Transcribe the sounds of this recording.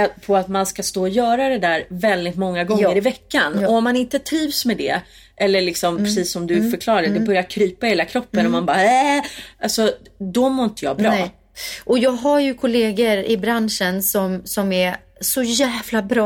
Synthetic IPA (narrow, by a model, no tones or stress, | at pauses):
pʰɔat̪manskast̪oːɔjœːɾad̪ɛd̪æːɾvɛld̪ɪt̪mɔŋːaɡɔŋːəɾɪvɛkːanɔɔmːanɪnt̪ət̪ʰɾiːvsmɛd̪ɛ̰ | ʔɛlːəɭɪksɔmppʰɾɛsiːsːɔmd̪ɵfœɾklɑːɾad̪ɛbœɾjaɾkʰɾyːpaheːlakʰɾɔpːənɔmanbɑːɛʔalsɔd̪ɔmoːɾɪnt̪əjɑ̰ːbɾɑː | ʔɔjɑːɡɦaɾjɵkʰʊleːɡəɾɪbɾanʂənsɔmsɔmɛ | sɔjæːvlabɾɑː